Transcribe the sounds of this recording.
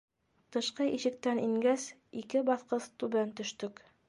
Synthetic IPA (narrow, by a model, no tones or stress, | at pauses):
t̪ɤ̆ʃqɤʔiʃɘ̆k̚t̪æniŋɡæsikɘbɑθqɤst̪ʉβænt̪ɵ̆ʃt̪ɵk